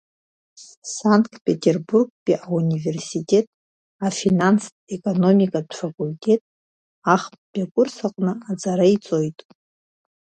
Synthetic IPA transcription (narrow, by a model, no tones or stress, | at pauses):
saŋtʰpʼe̞tʰʲʼe̞rburɡ̚pʼiʔaunʲive̞rsitʼe̞tʼ | afinans | ekʼo̞no̞mikʼadfakʼultʰʼe̞tʼ | aχpʼbʲakʷʼʊrsaqʷʼnɨad͡zaɾait͡sʼo̞jtʼ